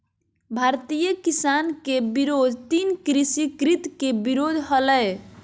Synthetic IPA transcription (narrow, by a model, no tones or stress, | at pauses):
bʱaɾt̪ijəkisankebiɾod̪ʱt̪inkɾisikɾit̪kebiɾod̪ʱɦələj